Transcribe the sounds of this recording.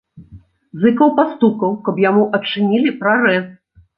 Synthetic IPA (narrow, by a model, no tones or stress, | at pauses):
zɨkɐwpast̪up̚kɐwkɐpjamuʔɐt͡ʂɨnʲilʲipɾaɾɛs